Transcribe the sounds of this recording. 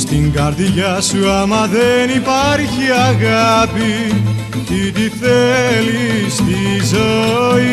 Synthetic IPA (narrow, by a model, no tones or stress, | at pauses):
st̪iŋɡaɾðiʝasuamaðenipaɾçiaɣapi | t̪it̪iθelist̪izoi